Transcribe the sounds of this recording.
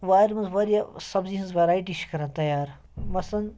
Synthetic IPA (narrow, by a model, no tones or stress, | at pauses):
ʋaːɾmɐzʋɐɾjasɐbziɦɐnzʋɐɾaːjʈiʃkɐɾɐ̃nt̪ɐjaːɾ | mɐsɐn